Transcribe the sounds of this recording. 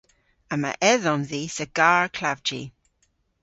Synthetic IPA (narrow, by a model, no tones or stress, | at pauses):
ama̰ʔɛðɔnðiːsəɡ̥aːɹkʰlavd͡ʒḭ